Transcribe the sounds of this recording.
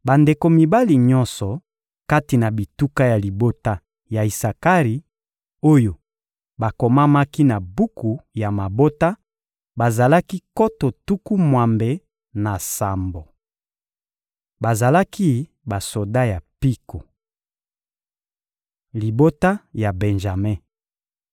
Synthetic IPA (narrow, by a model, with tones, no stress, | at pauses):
ba˨nde˨ko˨mi˨ba˦li˨ɲɔ˦nsɔ˨ | ka˦ti˨na˨bi˨tu˦ka˦ja˨li˨bo˦ta˦ | ja˨i˨sa˨ka˦ʁi˨ | o˦jo˨ | ba˨ko˨ma˦ma˦ki˦na˨bu˦ku˨ja˨ma˨bo˦ta˦ | ba˨za˨la˦ki˦ko˦to˨tu˦ku˦mwa˨mbe˨ | na˨sa˨mbo˨ | ba˨za˨la˦ki˦ | ba˨so˨da˦ja˨pi˦ko˨ | li˨bo˦ta˦ja˨bɛ˨nʒa˨me˦